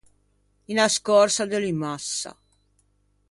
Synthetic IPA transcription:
inaskɔrsad̪elimasːa̰

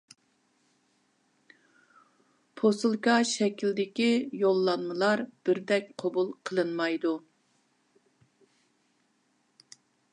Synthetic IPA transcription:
pʰosɨlˠkɑʃɛkʲʰild̪ɪkʲijolˠːɑnmɨlˠɑɾb̥ɪɾd̪ɛk̚ʲqʰobulˠqʰəlˠɨnmɑjd̪u

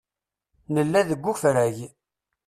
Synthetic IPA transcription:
nəlːæðəɡʷːufɾæʝ

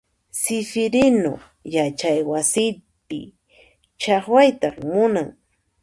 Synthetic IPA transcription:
sɪfɪɾɪno̰ | jat͡ʃajwasɪpɪ̰ | t͡ʃɑχwajt̪ɑχmʊnaŋ

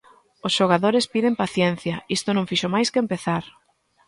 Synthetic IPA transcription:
osʃoɣaðoɾespiðempaθjɛn̟θjɐist̪ʊnõŋfiʃomajskeːmpeθaɾ

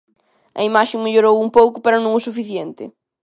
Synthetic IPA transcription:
ɐimaʃẽŋmeʎoɾowũmpowkʊpɐɾɐnɐ̃ŋʊsufiθjent̪ɪ̰

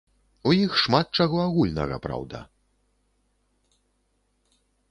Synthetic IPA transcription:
ujixʂmat̪̚t͡ʂaɣɔaɣulʲnɐ̰ɣɐ̰pɾa̰wd̪ɐ̰

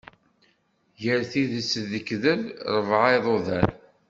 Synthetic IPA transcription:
jəɾθiðəsðəkðəlɾˤəvʕɑjðˤoðæn

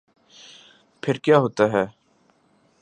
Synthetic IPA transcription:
pʰɪɾkjaːɦoːt̪aɦɛː

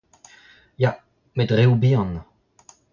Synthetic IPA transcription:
ja | medʁeubiɑ̃n

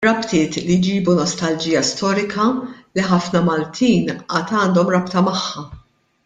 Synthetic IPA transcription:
ɾɐpt̪ɪːt̪lijd͡ʒiːbunɔst̪ɐld͡ʒiːjɐst̪ɔːɾɪkʰɐliħɐfnɐmɐlt̪ʰiːnɐːt̪ɐːnd̪ɔmɾɐpt̪ɐmɐħːɐ

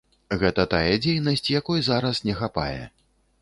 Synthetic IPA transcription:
ɣɛt̪ɐt̪ajɛd͡zʲejnɐsʲt͡sʲjakɔjzaɾɐsnʲɛxapa̰jɛ̰

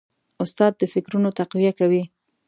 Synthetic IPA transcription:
ʊst̪ɑd̪ːəfɪkɾunot̪aqwijakawi

